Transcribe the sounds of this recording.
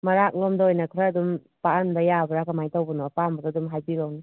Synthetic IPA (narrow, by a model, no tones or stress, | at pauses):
mɐɾak̚lɔmdɐojnɐkʰɾaːdum | paanbɐjabɐɾakamajtawbɐnɔapambɐdadumɦajbilɔŋni